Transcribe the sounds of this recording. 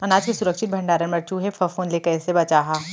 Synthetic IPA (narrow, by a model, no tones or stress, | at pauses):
ɐnaːd͡ʒkesʊɾəkʃɪt̪̚bʱɐ̃ɳɖaːɾənmɐɾt͡ʃuɦefʰɐfoːnlekɐɛsebɐt͡ʃaːɦaː